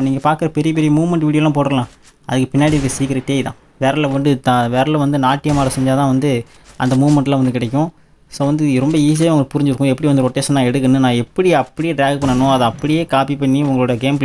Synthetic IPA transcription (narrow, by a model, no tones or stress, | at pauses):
niːŋɡɐpaːɾkɯɾɐpɛɾɪjɐp̬ɛɾɪjɐmuːʋmɛɳʈʋiːɽɪjoːlãːpoːʈɾɐlãː | ɐðɯkːɯpɪnːaːɽɪɾkːɐsiːkːɪɾɐʈːeːɪðã̰ː | ʋeːɾɐlɐʊnd̪ɯt̪ãːʋeːɾɐlɐ̃ʋɐnd̪ɯnaːʈːɪjɐmaːɾɐsɛɲd͡ʒaːt̪ãːʋɐnd̪ɯ | ʔɐ̰nd̪ɐmuːʋmɛɳʈlãːʋɐnd̪ɯkːɪɽɛkːʊ̃ | soːʋɐnd̪ɯɾɔmbɐiːs̬ɪjaːʊŋɡɐɭkːɯpʊɾɪɲd͡ʒɪɾɯkːʊ̃ɛpːɐɽɪiʋɐnd̪ɯɾɔʈːeːsɐnːãːɛɽɯkːɐnːɯnãːɛpːɐɽiɐpːɐɽɪjeːɖɾaːɡpɐɳːɐnʊ̃ɐðɐ̃ɐpːɐɽɪjeːkaːpipɐɳːiʊŋɡɐɭoːɽɐjɐɡeːmpl